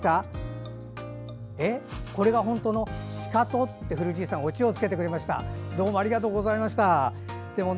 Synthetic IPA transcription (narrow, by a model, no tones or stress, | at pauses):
a | eko̞ɾe̞ɡaɦõ̞nt̪o̞ːno̞ɕi̥kat̪o̞t̪ːe̞ɸɯ̟ɾɯ̟ʑiːsãɰ̃o̞t͡ɕio̞t͡sɨ̥ke̞t̪e̞kɯɾe̞maɕi̥t̪a̰d̪o̞ːmo̞aɾʲiɡat̪o̞ːɡo̞zaimaɕi̥t̪a | d̪̥e̞mo̞